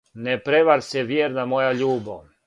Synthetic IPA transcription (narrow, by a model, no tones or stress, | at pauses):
nepɾeʋaɾsɛʋjeɾnamojaʎuːbo